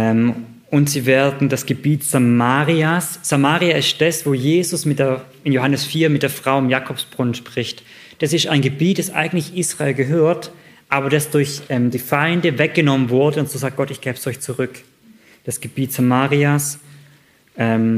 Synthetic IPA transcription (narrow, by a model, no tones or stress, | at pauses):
ʔɛm | ʔʊntz̥iːveːɐdn̩dasɡ̥əbiːtz̥amaːʁiasz̥amaːʁiaɪst̚d̥asv̥oːjeːzʊsmɪt̚d̥eːɐ | ɪnjoɦanəsfiːɐmɪt̚d̥eːɐfʁ̥aʊɪmjaːkʰɔfsb̥ʁʊnʃpʁ̥ɪçt | d̥asɪstaɪnɡəbiːt̚d̥asʔa̰ɪɡŋ̩tlɪçʔiːsʁ̥aeːlɡəɦøːɐt | ʔaːbɐdasd̥ʊɐçʔɛːmdiːfaɪndəvɛk̚ɡ̥ənɔmənvʊɐdəʊntz̥oːzaːk̚ɡ̥ɔtɪçɡ̥ɛːbsɔʏçt͡suʁʏk | d̥asɡ̥əb̥iːtz̥amaːʁias | ʔɛːm